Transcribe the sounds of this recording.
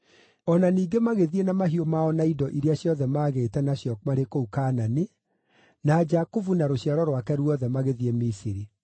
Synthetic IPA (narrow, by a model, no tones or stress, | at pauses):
ɔnaniːɡemaɣeðienamaɦiomaɔnaidɔʔiɾeaɕjɔðɛmaːɣetɛnaɕjɔkmaɾekoukaːnani | nad͡ʒakuvunaɾoɕjaɾɔɾwakɛɾwɔðɛmaɣeðiemisiɾi